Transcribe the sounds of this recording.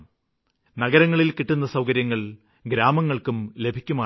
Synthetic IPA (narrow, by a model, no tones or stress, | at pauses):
nɐɡɐɾɐŋːɐɭilkiʈːunːɐsɐwkɐɾjɐŋːɐɭ | ɡɾaːmɐŋːɐɭkumle̞bʱikʲːumaː